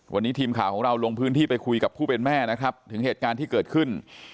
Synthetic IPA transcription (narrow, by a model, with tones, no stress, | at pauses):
wa˧nːiː˦˥t̪ʰiː˧mkʰaː˨˩wkʰɔː˩˦ŋɾa˧wlo˧ŋpʰɯː˦˥nt̪ʰiː˥˩pa˧jkʰu˧jka˨˩pʰːuː˥˩pe˧nmɛː˥˩na˦˥kʰɾa˦˥p̚t̪ʰɯ˨˩˦ŋɦeː˨˩t̪̚kaː˧nt̪ʰiː˥˩kɤː˨˩t̪kʰɯ˥˩n